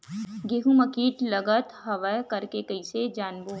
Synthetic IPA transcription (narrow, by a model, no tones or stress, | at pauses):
ɡeːɦũmɐkiːʈlɐɡət̪ɦɐʋəkɐɾkekɐɪsed͡ʒaːnboː